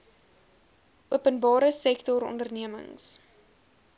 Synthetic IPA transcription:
ʔuəpənbɑːɾəsɛktɔɾɔ̰ndərniəmə̰ŋs

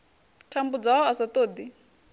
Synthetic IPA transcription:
tʰambud͡zaɦɔasat̪oːd̪i

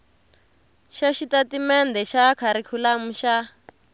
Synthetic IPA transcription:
ʃaʃitatimɛnd̪ɛʃakʰaɾikʰulam̩ʃa

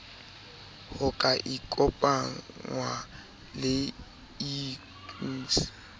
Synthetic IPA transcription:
hʊkʼaʔikʼɔpʼaŋwa | lɪ | i | kʼuːsi̥

